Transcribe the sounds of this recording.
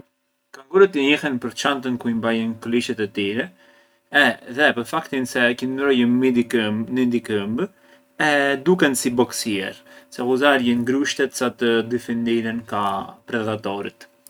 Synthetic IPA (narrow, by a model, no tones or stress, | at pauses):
kaŋɡuɾət̪iɲɛhɛnpəɾt͡ʃant̪ənkuimbajɛnkliʃɛt̪ɛt̪iɾɛ | ɛðɛpəɾfakt̪insɛkinnɾɔjəid̪nind̪ikəmb | ɛd̪ukɛnsibɔksiɛ̰ɾsɛkuzaɾjɛnɡɾuʃt̪ɛt̪sat̪əd̪ifind̪iɾɛnkapɾɛd̪at̪ɔɾḭt̪